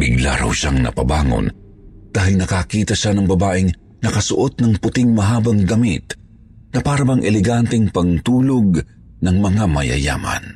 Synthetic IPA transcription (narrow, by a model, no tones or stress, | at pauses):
bɪɡla̰ɾɐ̰wʃaŋnɐ̰pɐ̰baːŋo̰n | d̪̥aːɦɪlnɐkakiːt̪ɐʃanɐŋbɐbaːʔɪŋ | nɐkɐsʊʔo̞t̪̚nɐŋpʊt̪ɪŋmɐɦaːbɐŋɡɐmɪt̪ | nɐpaːɾɐbaŋʔɛlɛɡant̪ɛŋpɐŋt̪uːloɡ̚ | nɐŋmɐŋamɐjɐ̰ja̰ːmɐ̰n